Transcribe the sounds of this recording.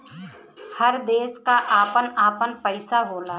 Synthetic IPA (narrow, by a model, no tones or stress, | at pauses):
həɾd̪eːskaʔaːpənaːpənpəɪsaɦoːlaː